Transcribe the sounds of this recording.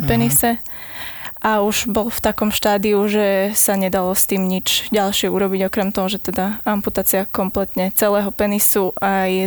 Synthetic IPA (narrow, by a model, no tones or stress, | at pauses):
pɛnisɛ | ʔauʒ̥bɔlft̪akɔmʃt̪aːd̪iuʒɛsaɲɛd̪alɔst̪iːmɲid͡ʒɟalʃɪɛuɾɔbiɟɔkɾɛmt̪ɔɦɔʒɛt̪ɛd̪aamput̪aːt͡siakɔmplɛt̪ɲɛt͡sɛlɛːɦɔpɛnisuʔaj